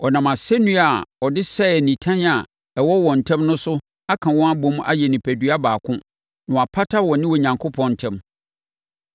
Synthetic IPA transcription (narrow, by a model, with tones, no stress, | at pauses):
ɔ˨nã˨ma˨sɛ˦nũ˦a˨ɔ˨dɪ˦sɛ˦˨nĩ˨tʰã˦na˨ | ɛ˨wɔ˦wɔ˨n̩˨tʰɛ̃˦mnʊ̃˦sʊ˦ | a˦kʰã˨wɔ̃˦a˦bɔ̃˦m˦ʔa̰˦jɛ˨nɪ̃˨pʰæ˨dɥa˦baː˨kʰʊ̃˦ | nʊ̃˨a˨pʰa˦tʰa˦wɔ˨nɪ̃˦wɔ˨ɲã˨ŋkʰo˦pʰɔ̃˨n̩˨tʰɛ̃˦m